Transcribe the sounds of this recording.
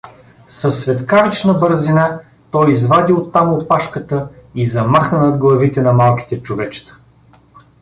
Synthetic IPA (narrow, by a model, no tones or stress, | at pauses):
sɐsːvɛt̪kavit͡ʃnəbəɾzina | t̪ɔjizvad̪iot̪ːamopaʃkət̪əizɐmaxnənɐd̪ɡlˠɐvit̪ɛnɐmalˠkʲi̥t̪ɛt͡ʃovɛt͡ʃt̪ə̥